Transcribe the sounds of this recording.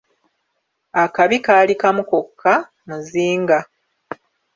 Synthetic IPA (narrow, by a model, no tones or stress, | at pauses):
akaβikaːlikamuko̞kʰːa | muziːŋɡa